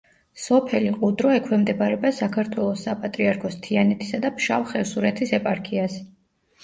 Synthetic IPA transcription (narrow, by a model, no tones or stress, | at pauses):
sɔpʰɛliqʼud̪ɾɔɛkʰwɛmd̪ɛbaɾɛbasakʰaɾt̪ʰwɛlˠɔsːapʼat̪ʼɾiaɾkʰɔst̪ʰianɛt̪ʰisad̪apʰʃavχɛsuɾɛt̪ʰisɛpʼaɾkʰias